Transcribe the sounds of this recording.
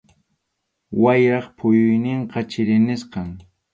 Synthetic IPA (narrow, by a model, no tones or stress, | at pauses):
wajɾɑχpʰʊjʊjnɪɴqɑt͡ʃɪɾɪnɪsqɑŋ